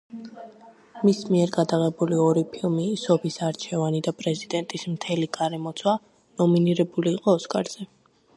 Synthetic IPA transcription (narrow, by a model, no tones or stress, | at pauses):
mismiɛɾɡad̪aʁɛbuliɔɾipʰilˠmiːsɔpʰisaɾt͡ʃʰɛvanid̪apʼɾɛzid̪ɛnt̪ʼismt̪ʰɛliɡaɾɛmɔt̪sʰwa | nɔminiɾɛbuliːqʼɔːskʼa̰ɾz̥ɛ